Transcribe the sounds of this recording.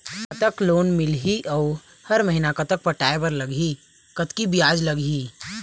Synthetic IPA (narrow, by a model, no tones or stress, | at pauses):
kɐt̪əkloːnmɪlɦiʔɔː | hɐɾməɦinakɐt̪ək̚pɐʈaːepɐɾlɐɡi | kɐt̪kibijaːd͡ʒlɐɡiː